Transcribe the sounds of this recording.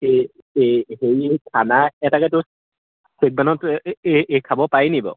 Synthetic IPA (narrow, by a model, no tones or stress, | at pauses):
e | hejtʰanaɛtakɛtʊ | sek̚banɔteekʰabɔpajnibɔ̰